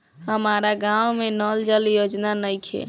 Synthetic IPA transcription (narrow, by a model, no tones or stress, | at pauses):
ɦəmaɾaɡãwmenəld͡ʒəljod͡ʒnanəjkʰḛ